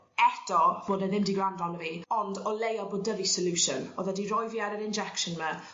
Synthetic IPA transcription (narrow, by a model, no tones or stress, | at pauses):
ɛtɔb̥oːdəðɪmdiɡrandɔnəviɔndɔlejɔboːdəvisəluʃənɔðədiɾɔjviaɾəɾɪnd͡ʒɛkʃənmə